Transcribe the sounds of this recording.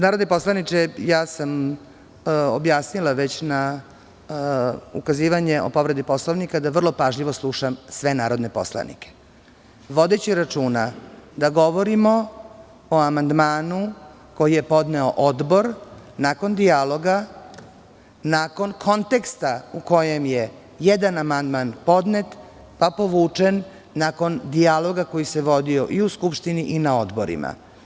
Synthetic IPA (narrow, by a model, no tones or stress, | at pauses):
naɾod̪nepo̞slˠanit͡ʃejaːsam | objaːsnilˠaʋet͡ɕna | ṵkaziːʋaɲeo̰po̞ʋɾe̞d̪ipo̞slˠoʋnikad̪aʋr̩lˠo̞paʒʎiʋo̞slˠuʃamsʋe̞naːɾo̞d̪ne̞po̰slˠa̰nḭke̥ | ʋo̞d̪et͡ɕiɾat͡ʃuːnad̪aɡo̞ʋoɾimo̞ | oamand̪maːnu | ko̞jije̞po̞d̪neoʔod̪bo̞ɾnako̞nd̪ialo̞ɡa | nako̞nkʰo̞nt̪e̞kst̪auko̞je̞mje | jɛd̪anamand̪manpo̞d̪net̪ | papo̞ʋuːt͡ʂenː | ako̞nd̪ialˠo̞ɡako̞jiseʋo̞d̪io̞ʔiuskupʃt̪iniʔinaod̪boɾḭma̰